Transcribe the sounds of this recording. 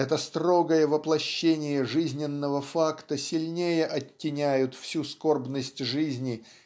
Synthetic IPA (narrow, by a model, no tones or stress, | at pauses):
ɛt̪əst̪ro̞ɡəjəvəplˠɐɕːenʲɪjəʐɨzʲnʲɪnːəvəfakt̪əsʲɪlʲnʲejəʔɐtʲːɪnʲæjʊt̪fsʲusko̞rbnəsʲtʲʐɨzʲnʲɪ